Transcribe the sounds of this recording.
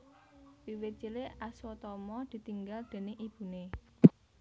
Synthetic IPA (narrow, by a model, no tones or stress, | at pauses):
piwet͡ʃileʔasɔt̪ɔmɔd̪̥i̤t̪iŋɡald̪̥e̤neʔib̥ṳne